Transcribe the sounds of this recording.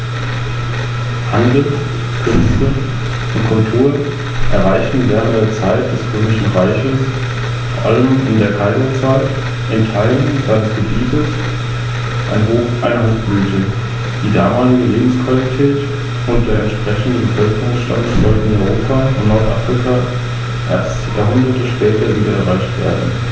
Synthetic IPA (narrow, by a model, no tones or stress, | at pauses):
handl̩ | kʰʏnstə | ʔʊntkʰɔntʰuːl | ʔɛɐʁaɪçtn̩veːʁəntdeɐt͡saɪt̚d̥ɛsʁøːmɪʃn̩ʁaɪçəs | foːɐʔaləmɪndeːɐkʰaɪzət͡saːl | ʔɛntʰːaɪd̩zaɪnəsɡ̥əbiːtʰəs | ʔa̰ɪnɦoːfʔaɪnɐhoːfb̥ʁyːçə | d̥iːdaːmaːlɪɡəleːbm̩skv̥alitʰɛːt | ʊnt̚d̥eːɐɛntʃpʁ̥ɛçn̩dənbəfœlkəʁʊŋsʃta̰ndəsz̥ɔltn̩ɔʏʁoːpʰafɔnnɔɐtʔa̰fʁ̥ɪkʰaː | ʔḛːɐstjaɐɦʊndɐtəʃpɛːtɐviːdɐɛɐʁaɪçtv̥ḛːɐdn̩